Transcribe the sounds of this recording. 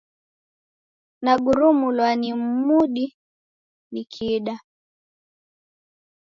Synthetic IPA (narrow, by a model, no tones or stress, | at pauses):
naɡuɾumulwanim̩muɗi | nikʰiɗa